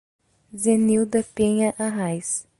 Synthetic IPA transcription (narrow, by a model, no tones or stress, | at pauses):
zeniwd̪ɐpeɲɐʔaɦajs